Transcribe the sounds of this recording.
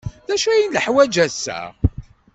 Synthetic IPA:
ðæʃæjinləħwæd͡ʒæsæ̰

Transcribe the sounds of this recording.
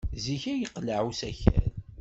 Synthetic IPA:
ziçæjəqːləʕusæçæ̰n

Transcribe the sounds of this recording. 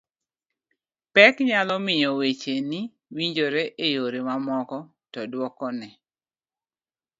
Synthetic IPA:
pɛkɲalɔmɪjɔwet͡ʃeni | wiɲd͡ʒoɾeʔejoɾemamɔkɔ | tɔdwɔkɔnɛ

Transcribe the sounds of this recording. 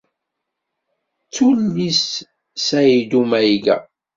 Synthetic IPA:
t͡sːulːis | sæjid̪umæjɡæ̰

